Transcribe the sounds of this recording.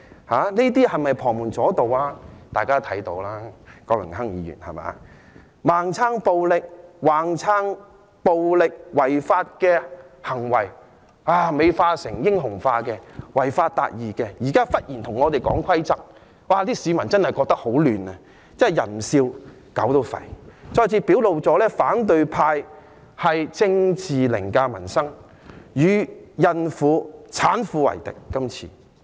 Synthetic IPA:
haː˨˥niː˥t̪iː˥hɐ˨jmɐ˨jpʰɔː˨˩muː˨˩nt͡sɔː˨˥t̪o˨˧wlaː˥t̪aː˨˩jkaː˥t̪ʰɐ˨˥jt̪o˧wlaː˥kɔː˧lʊ˨˩ŋɦɐ˥ŋjḭː˨˧jy̰ː˨˩nhɐ̰˨jma̰ː˨˧˦ | maː˨ŋt͡sʰaː˥ŋpo˧wlɪ˨k̚waː˨ŋt͡sʰaː˥ŋ | po˨˧wlɪ˨k̚wɐ˨jfaː˧t̚kɛː˧hɐ˨˩ŋwɐ˨˩j | waː˧me˨˧jfaː˧sɪ˨˩ŋjɪ˥ŋɦʊ˨˩ŋfaː˧kɛː˧wɐ˨˩jfaː˧t̚t̪a̰ː˧t̚jiː˨˩kɛː˧jiː˨˩kaː˥fɐ˥t̚jiː˨˩nt̪ʰʊ˨˩ŋɔː˨˧t̪e˨jkɔ̰ː˨˥ŋkʷʰɐ˥jt͡sɐ˥k̚ | waː˨˩t̪iː˥siː˨˧mɐ˨˩nt͡sɐ˥nhɐ˨jkɔː˧k̚t̪ɐ˥k̚ho˨˥wlyː˨nɐ˧ | t͡sɛ˥ɐ˨˩jɐ̰˨˩nm̩˨˩siː˧w | kɐ˨˥wt̪o˧wfɐ̰˨˩jt͡sɔː˧jt͡sʰiː˧pi˨˥wlo˨wt͡sɔː˨˥lɛː˥faː˨˥nt̪̬ɵ˧ɥpʰaː˧j | hɐ˨jt͡sɪ˧ŋt͡sʰiː˨lɪ̰˨˩ŋkaː˧mɐ̰˨˩nsɐ˥ŋ | jyː˨˧jɐ˨˧nfuː˨˧˥t͡sʰaː˨˥nfuː˨˧wɐ̰˨˩jt̪ɪ̰˨kːɐ˥mt͡sʰḭː˨

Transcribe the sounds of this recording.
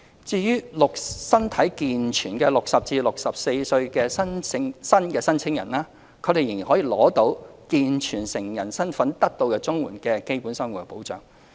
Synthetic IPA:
t͡siː˧jyː˥lʊ˨k̚sɐ˥nt̪ʰɐ˨˥jkiː˨nt͡ʃʰyː˨˩nkɛː˧lʊ˨k̚sɐ˨p̚t͡siː˧lʊ˨k̚sɐ˨p̚se˧jsɵ˧ɥkɛː˧sɐ˥nʰɪ˥ŋsɐ˥nkɛː˧sɐ˥nt͡sʰɪ˥ŋjɐ˨˩naː˥ | kʰɵ˨˧t̪e˨jɪ˨˩ŋjiː˨˩nhɔ˨˥jiː˨˩lɔː˨˥t̪o˨˧˥wkiː˨nt͡ʃʰyː˨˩nsɪ˨˩ŋjɐ˨˩nsɐ˥nfɐ˨˥nt̪ɐ˥k̚t̪o˧wkɛ˧t͡sʊ˥ŋwṵː˨˩nkɛː˧ke˥jpuː˨˥nsɐ˥ŋwu˨kɛ˧po˨˥wt͡ʃœ̰ː˨˩ŋ

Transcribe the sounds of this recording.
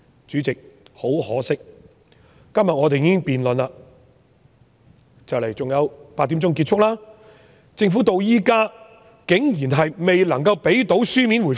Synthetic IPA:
t͡ʃy˨˥t͡sɪ˨k̚ho˨˥whɔ̰ː˨˥sɪ˥k̚ | kɐ˥mjɐ˨t̚ŋɔː˨˧t̪e˨jiː˨˥kɪ˥ŋpiː˨nlɵ˨nla˧ | t͡sɐ˨wlɐ˨˩jt͡sʊ˨ŋjɐ˨˧wpaː˧t̪̚ːi˨˥mt͡sʊ˥ŋkiː˧t̚t͡ʃʰʊ˥k̚laː˥ | t͡sɪ˧ŋf̬u˨˥t̪o˧wjiː˥kaː˥ | kɪ˨˥ŋjiː˨˩nɦɐ˨jme˨jlɐ˨˩ŋkɐ˧wpe˨˥jt̪o˨˥wsyː˥mi˨˥nwu˨˩

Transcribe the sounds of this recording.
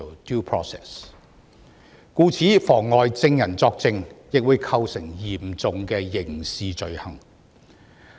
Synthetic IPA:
du˥pʰɹɔ̰ː˥sɛ̰˨˩s | kuː˧t͡sʰiː˨˥fɔː˨˩ŋːɔː˨jt͡sɪ˧ŋjɐ˨˩nt͡sɔː˧k̚t͡sɪ˧ŋjɪ˨k̚wuː˨˧jkʰɐ˧wsɪ˨˩ŋjiː˨˩mt͡sʊ˨ŋkɛː˧jɪ˨˩ŋsiː˨t͡ʃɵ˨ɥhɐ˨˩ŋ

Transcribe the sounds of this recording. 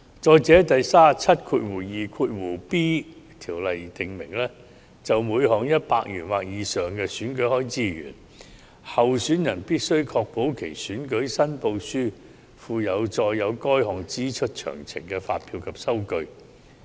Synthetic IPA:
t͡ʃɔː˨jt͡sɛː˨˥t̪ɐ˨jsaː˥˨t͡sʰɐ˥t̚kʰuː˧t̚wuː˨˩jiː˨kʰuː˧t̚wuː˨˩piː˥t̪ʰiː˨˩wlɐ˨jt̪ɪ˨ŋmɪ̰˨˩ŋlɛː˥ | t͡sɐ˨wmuː˨˧jɦɔː˨˩ŋjɐ˥t̚paː˧k̚jy̰ː˨˩nwaː˨k̚jiː˨˧sœː˨ŋkɛː˧syː˨˥nkɵ˨˥hɔː˥jt͡siː˥jy̰ː˨˩n | hɐ˨wsyː˨˥njɐ˨˩npiː˥t̚sɵ˥ɥkʰɔː˧k̚po˨˥wkʰe˨˩jsyː˨˥nkɵ˨˥ɥsɐ˥npo˧wsyː˥ | fuː˨˧jɐ˨˧wt͡ʃɔː˧jːɐ˨˧wkɔː˥jɦɔː˨ŋt͡siː˥t͡ʃʰɵ˥t̚t͡ʃʰœ̰ː˨˩ŋt͡sʰɪ̰˨˩ŋkɛː˧faː˧t̚pʰiː˧wkʰɐ˨p̚sɐ˥wkɵ˧ɥ

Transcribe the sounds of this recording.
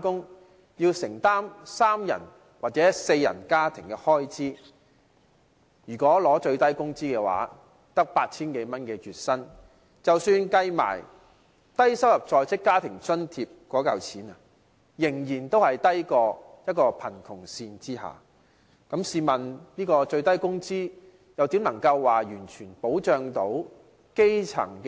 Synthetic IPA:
kʊ˥ŋ | jiː˧wsɪ˨˩ŋt̪aː˥msaː˥mjɐ̰˨˩n | waː˨t̚t͡sɛː˨˥se˧jːɐ̰˨˩nkaː˥t̪ʰɪ˨˩ŋkɛ˧hɔː˥jt͡siː˥ | jyː˨˩kɔː˨˥lɔː˨˥t͡ʃɵ˧ɥt̪ɐ˥jkʊ˥ŋt͡siː˥kɛː˧wa̰ː˨˥ | t̪ɐ˥k̚paː˧t̚t͡sʰiː˥nke˨˧jmɐ˥nkɛː˧jyː˨t̚sɐ˥n | t͡sɐ˨wsyː˧nkɐ˧jma̰ː˨˩j | t̪ɐ˥jsɐ˥wjɐ˨p̚t͡sɔː˧jt͡sɪ˥kːaː˥t̪ʰɪ˨˩ŋt͡sɵ˥nt̪ʰiː˧p̚kɔː˨˥kɐ˨˧wt͡sʰiː˨˥na˨ | jɪ˨˩ŋjiː˨˩nt̪o˥whɐ˨jt̪ɐ˥jkɔː˧jɐ˥t̚kɔː˧pʰɐ˨˩nkʰʊ˨˩ŋsiː˧nt͡siː˥ɦa̰ː˨ | kɐ˨˥msiː˧mɐ˨˩nniː˥kɔː˧t͡ʃɵ˧ɥt̪ɐ˥jkʊ˥ŋt͡siː˥ | jɐ˨wt̪i˨˥mnɐ˨˩ŋkɐ˧wːaː˨˩jyː˨˩nt͡ʃʰyː˨˩npo˨˥wt͡ʃœː˧ŋt̪o˨˥w | ke˥jt͡sʰɐ̰˨˩ŋk

